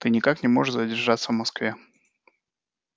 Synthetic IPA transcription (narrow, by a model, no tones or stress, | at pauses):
t̪ɨnʲɪkaknʲɪmoʐɨʂzədʲɪrʐat̪sːəvmɐskvʲe